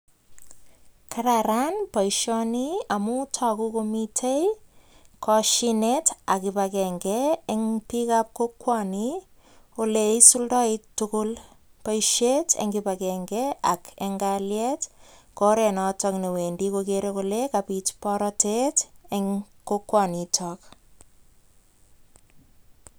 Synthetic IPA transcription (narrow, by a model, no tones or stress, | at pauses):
kʰaɾaɾanpajʃɔniamutʰɔkukomitʰej | kʰɔʃineta̰kipakɛŋɡɛːŋpikap̚kokːwɔni | oleisuldɔittːʊkʊl | paiʃetʰa̰ŋɡipakɛŋɡɛa̰kɛŋɡaljɛtkɔɾɛnɔtɔknewendikokeɾekolekapitpɔɾɔteteŋkokwɔnitʰɔk